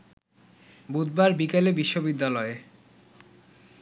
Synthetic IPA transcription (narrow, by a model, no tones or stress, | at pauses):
bud̪̚baɾbikelebiʃːobid̪ːalɔe